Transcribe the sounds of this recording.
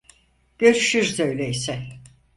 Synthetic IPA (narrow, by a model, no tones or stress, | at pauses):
ɟ̥ø̞ɾyʃyɾzø̞jlʲeisɛ